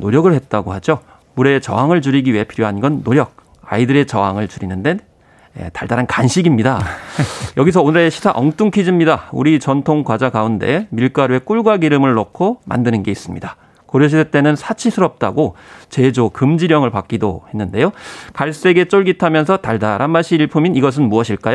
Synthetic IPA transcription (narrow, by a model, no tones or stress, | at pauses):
noɾjʌɡɯɭhet̚t͈aɡohad͡ʑo | muɾe̞t͡ɕʌ̰ɦaŋɯɭt͡ɕuɾiɡiɥiɦe̞pʰiɾjoɦanɡʌnːoɾjʌk̚ | a̰idɯɾe̞t͡ɕʌɦaŋɯɭt͡ɕuɾinɯnden | ḛtaɭdaɾankanɕʰiɡimɲida | jʌɡis̬ʰʌonɯɾe̞ɕʰi̥sʰa̰ʔʌŋt͈uŋkʰid͡ʑimɲidaṵɾit͡ɕʌntʰoŋkwad͡ʑakaunde̞̰miɭk͈aɾue̞k͈uɭɡwaɡiɾɯmɯɭːokʰoma̰ndɯnɯnɡe̞is͈ɯmɲida | koɾjoɕ̬ʰidet͈e̞nɯnsʰat͡ɕʰisʰɯɾʌp̚t͈a̰ɡot͡ɕe̞d͡ʑokɯmd͡ʑiɾjʌŋɯɭpak͈̚ido̰he̞nːɯnde̞jokaɭs͈e̞ɡe̞t͡ɕ͈oɭɡitʰamjʌns̬ʰʌtaɭdaɾanmaɕ͈ʰiːɭpʰuminiɡʌs̬ʰɯnmuʌɕʰiɭk͈ajo